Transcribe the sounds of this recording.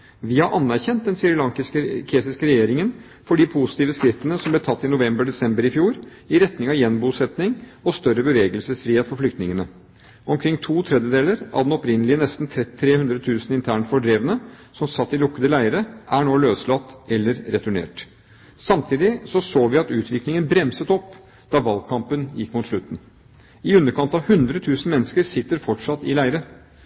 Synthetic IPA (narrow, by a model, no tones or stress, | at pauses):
ʋɪhɑɾʔɑnːæɾçɛnt̪̚d̪ɛnsɪɾɪlɑŋkɪskəkʰeːsɪskəɾɛjeːɾɪŋən | fɔɖiːpʰusɪt̪iːʋəskɾɪft̪ənəsɔmblɛt̪ʰɑt̪ːɪnʊʋɛmbəɖɛsɛmbəɾɪfjuːɾ | ɪɾɛt̪nɪŋɑʋjɛnbuːsɛt̪nɪŋɔst̪œɾəbəʋeːɡəlsəsfɾiːheːt̪fɔflʏkt̪nɪŋənə | ɔmkʰɾɪŋːt̪ʰuːt̪ʰɾɛd̪jəd̪eːləɾɑ̰ʋd̪ɛnɔpɾɪnəlɪənɛst̪n̩t̪ʰɾɛt̪ʰːɾeːhʉnd̪ɾət̪ʰʉːsən̩ɪnt̪ʰæːɳfɔɖɾeːʋənə | sɔmsɑt̪ːɪlʊkːəd̪əlæɪəɾəʔæɳoːløːslɑt̪ːɛlːəɾɾɛt̪ʉɳḛːʈ | sɑmt̪ʰiːd̪ɪsɔsoːʋɪɑt̪ʉːt̪ʰʋɪklɪŋənbɾɛmsət̪ɔpː | d̪̥ɑːʋɑlɡ̚kʰɑmpənjɪkːmʊt̪ʂɭʉt̪ːn̩ | ɪʉnːəɾkʰɑnt̪ɑʋhʉnd̪ɾət̪ʰʉːsn̩mɛnːəskəɾsɪt̪ːəɾfɔʈʂɑt̪ːɪlæɪəɾə